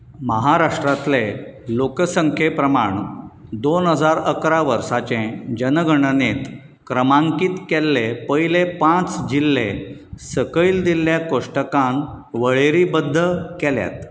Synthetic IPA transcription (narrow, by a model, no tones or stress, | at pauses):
məɦaɾaʂʈɾat̪lelokəsəŋkʰepɾəmaɳd̪onɦəd͡zaɾəkɾaʋəɾsat͡ɕẽd͡ʑənəɡʱəɳənet̪ | kɾəmãŋkiːt̪kɛlːepəjlepãt͡sd͡ʑilːesəkəild̪ilːjakoʂʈəkãnʋəɭeɾiːbəd̪ʱːəkɛlja̰t̪